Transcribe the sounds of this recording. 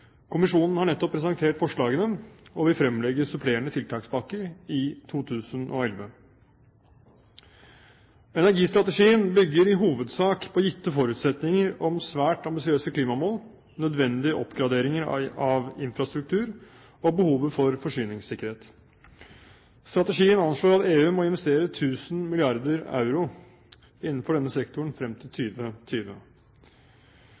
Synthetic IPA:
kʰʊmɪʂuːnn̩hɑɳɛt̪ːɔpʰːɾɛsɑŋt̪ʰeːʈfɔʂɭɑːɡənəɔʋɪfɾɛmlɛɡəsʉpʰleːɳət̪ʰɪlt̪ʰɑːksbɑkːəɾɪt̪ʰuːt̪ʰʉːsənʔɔ̰ɛlʋə | ɛnæɾɡiːst̪ɾɑt̪əʂiːənbʏɡːəɾɪɦuːʋəd̪sɑːkpʰɔːjɪt̪ːəfɔɾʉːt̪sɛt̪nɪŋəɾɔmsʋæːʈɑmbɪsɪøːsəkʰliːmɑmoːl | nœd̪ʋɛnd̪ɪəʔɔpːɡɾɑd̪eːɾɪŋəɾɑʋɪnfɾɑst̪ɾʉk̚t̪ʰʉːɾ | ɔbəhuːʋəfɔɾfɔʂyːnɪŋsɪkːəɾheːt̪ | st̪ɾɑt̪əʂiːənɑnʂloːɾɑt̪eːʉːmɔɪnʋɛst̪eːɾət̪ʰʉːsn̩mɪlɪɑɾd̪əɾɑ̰ʉɾʊ | ɪnːn̩fɔɖɛnːəsɛkt̪ʊəɳ̩fɾɛmt̪ʰɪlt̪ʰyːʋət̪ʰyːʋə̰

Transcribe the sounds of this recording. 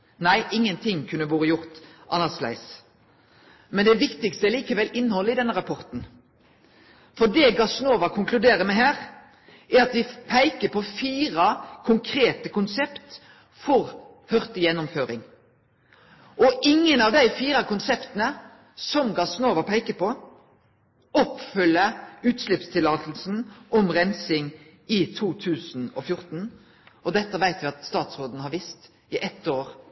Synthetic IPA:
næɪʔɪŋːənt̪ʰɪŋkʰʉnəboːɾəjʊʁt̪ʔɑnːɑʁslæ̰ɪs | mɛnd̪ɛʋɪkt̪ɪkst̪əɛliːkəʋɛlɪnhɔlːəɪd̪ɛnːəʁɑpʰɔʁt̪n̩ | fɔd̪ɛɡɑsnoːʋɑkʰʊŋklʉd̪eːɾəmɛɦæːʁ | æɾɑt̪d̪ɪpʰæɪkəpʰɔfiːɾɑkʰʊŋkʰɾeːt̪əkʊnsɛpt̪ | fɔʁ | hœʁt̪əjɛnːʊmføːɾɪ̰ŋ | ʔɔʔɪŋːənɑʋd̪æɪfiːɾɑkʊnsɛpt̪ənə | sɔmɡɑsnoːʋəpʰæɪkəpɔ | ɔpfʏləʉːt̪ʃlɪpst̪ʰɪlɑːt̪l̩sn̩ʔɔmʁɛnsɪŋ | ɪt̪ʰuːt̪ʰʉːsn̩ɔfjʊʁt̪n̩ | ɔd̪ɛt̪ːəʋæɪt̪ʋɪɑt̪st̪ɑːt̪sʁoːd̪nəhɑɾʋɪst̪ | ɪʔɛt̪ːoːʁ

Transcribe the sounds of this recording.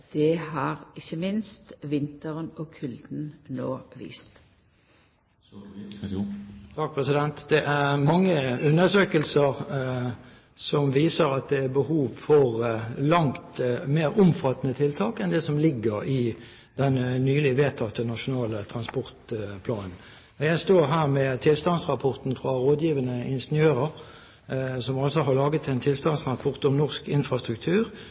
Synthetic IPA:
d̪̥ɛhɑːʁɪçːəmɪnst̪ʋɪnt̪əʁənɔkʰʉld̪n̩noːʋḭːst̪ | t̪ʰɑk̚pʰʁɛsɪd̪ɛnt̪d̪̥ɛʔæʁmɑŋːəʉnːəsøːkəlsəʁ | sɔmʋiːsəɾɑt̪̚d̪ɛæbəhuːʋfɔʁlɑŋt̪meːɾʊmfɑt̪ːənət̪ʰɪlt̪ʰɑːkɛnd̪ɛsɔmlɪɡːəɾɪ | d̪̥ɛnnyːlɪʋeːt̪ʰɑt̪ːənɑʂʊnɑːlət̪ʰʁɑnspɔʁt̪pʰlɑːnn̩ | jæɪst̪oːʁɦæːʁmɛt̪ʰɪlst̪ɑnsʁɑpʰɔʁt̪n̩fʁɑʁoːd̪jiːʋənəʔɪnʂnɪøːʁəʁ | sɔmɑlsɔɦɑʁlɑːɡət̪ʰɛɪnt̪ʰɪlst̪ɑnsʁɑpʰɔʁt̪ɔmnɔʁskɪnfɾʁɑst̪ʁʉk̚t̪ʰʉːʁ

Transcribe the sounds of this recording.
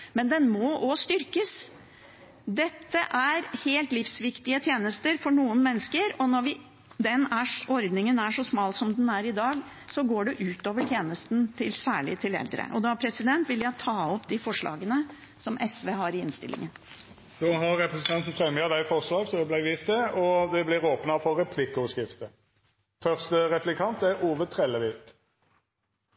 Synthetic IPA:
mɛnd̪ɛnmɔʔɔst̪ʏɾkəs | d̪ɛt̪ːəʔæɾheːlt̪lɪfsʋɪkt̪ɪət̪ʰjeːnəst̪əɾfɔɳuːənmɛnːskəɾɔnɔɾʋɪ | d̪ɛnæʂɔɾd̪nɪŋənæʂɔsmɑːlsɔmd̪ɛnæɾɪd̪ɑːɡ | sɔɡoːɖɛʔʉːt̪oːʋəʈʰjeːnəst̪nt̪ʰɪlsæːɭɪ̰t̪ʰɪlɛ̰ld̪ɾə̰ʔɔd̪ɑpʰɾɛsɪd̪ɛnt̪ʋɪljæt̪ʰɑːɔpd̪ɪfɔʂɭɑ̰ːɡənə | sɔmʔɛsʋeːɦɑɾɪɪnst̪ɪ̰lʔɪ̰ŋən | d̪oːɦɑʁɾɛpɾɛsənɑnt̪n̩fɾɛməəd̪æɪfɔʁʂlɑːɡsɔɛblæɪʋiːst̪̚d̪ɛɔd̪ɛblɪɾoːpnɑfɔɾɛpʰlɪkːəɔskɪft̪ə | fœʁst̪əɾɛplɪkʰɑnt̪æɾʔuːʋət̪ʰɾɛlːəʋɪt̪

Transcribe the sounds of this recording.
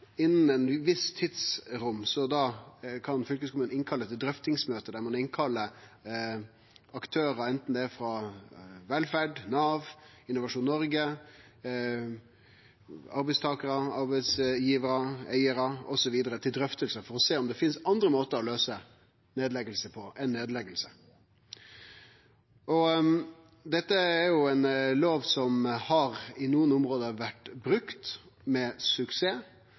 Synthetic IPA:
ɪnːn̩ɛnʋɪst̪ʰɪt̪sɾʊmːsɔd̪ɑːkʰɑnfʏlkəskʰʊmənɪnkʰɑlːət̪ʰɪld̪ɾœft̪ɪŋsmøːt̪əd̪æɾmɑnɪnkʰɑlːə | ɑkt̪ʰøːɾəɛnt̪n̩d̪ɛfɾɑ | ʋɛlfæɖnɑːʋɪnːʊʋɑʂuːnːnɔɾɡə | ɑɾbɛɪst̪ʰɑːkəɾəɑɾbæɪsjiːʋəɾəæɪəɾəɔsɔʋiːd̪əɾət̪ʰɪld̪ɾœft̪əlsəfɔɾɔseːɔmd̪ɛfɪnsɑnd̪ɾəmoːt̪əɾɔløːsə | neːd̪lɛɡəlsəpʰɔʔɛnːeːd̪lɛɡəlsə̥ | ʔɔ | d̪ɛt̪ːəæɾjʊɛɪnloːʋsɔmhɑɾɪnuːənʊmɾoːd̪əʋæʈːbɾʉkt̪ | mɛsʉkseː

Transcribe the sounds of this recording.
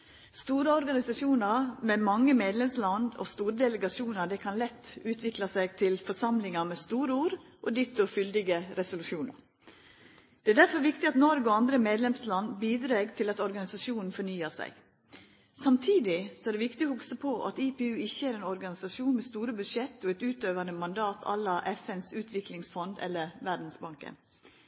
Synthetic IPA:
st̪uːɾəɔɾɡɑnɪsɑʃuːnɑɾmɛmɑŋːəmeːd̪lɛmslɑnɔ̰st̪uːɾd̪ɛləɡɑsuːnɑɖ̪ɛkʰɑnlɛt̪ːʉːt̪ʰʋɪklɑsæɪɡt̪ʰɪlfɔʂɑmlɪŋɑmɛst̪uːɾəuːɾʔɔd̪ɪt̪ːʊfʏld̪ɪɡəɾɛsʊlʉʃuːnɑ̰ɾ | d̪̥ɛæːd̪æɾfɔɾʋɪkt̪ɪɑt̪nɔɾɡɔɑnd̪ɾəmeːd̪lɛmslɑnbiːd̪ɾeːɡt̪ʰɪlɑt̪ɔɾɡɑnɪsɑʂuːnn̩fɔɾnyːəsæ̰ɪ | sɑmt̪ʰiːd̪ɪsɔæːɖ̪ɛʋɪkt̪ɪɔhʊksəpʰɔʔɑ̰t̪ipeʉːɪçːəæɾeːnɔɾɡɑnɪsɑʃuːnmɛst̪uːɾəbʉd̪ʂɛt̪ːɔɛt̪ʉːt̪øːʋɑnəmɑnd̪ɑːt̪ʰɑ̰lːɑʔɛfɛnsʉːt̪ʰʋɪklɪŋsfɔnd̪ɛ̰lːəɾʋæd̪n̩sbɑŋkə̰n

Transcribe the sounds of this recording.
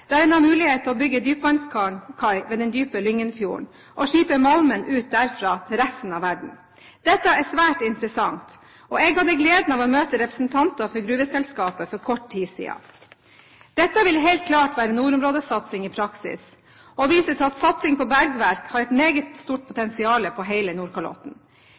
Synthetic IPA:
d̪̥ɛæɾɛnɑmʉːlɪheːt̪əɾɔbʏɡːəd̪yːp̚bɑnskɑkʰɑɪʋeːd̪ɛnd̪yːpəlʏŋːənfjuːə̰ɳ | ʔɔʂiːpəmɑlmənʔʉːt̪̚d̪æɾfɾɑːt̪ʰɪlɾæst̪n̩ɑʋæɖɳ̩ | d̪̥ɛt̪ːəæsʋæːʈɪnt̪ɾəsɑŋt̪ | ɔeːɡhɑd̪əɡleːd̪n̩ɑːʋɔmøːt̪əɾɛpɾəsn̩t̪ʰɑnt̪ɑfɔɾɡɾʉːʋəsɛlskɑːpəfɔɾkʰɔʈːʰiːsḭːɑ̰ | d̪̥ɛt̪ːəʋɪlɦɛɪlt̪̚kʰlɑːʈʋæːɾənuːɾʊmɾoːd̪əsɑt̪sɪŋiːpʰɾɑksɪ̰s | ɔʋiːsət̪ɑt̪sɑt̪sɪŋpʰɔbæɾɡʋæɾkhɑɾɛt̪meːɡət̪st̪uːʈ̚pʰʊt̪ʰɛnsɪɑːləpʰɔɦeɪlənuːɾkɑɭɔ̰t̪n̩

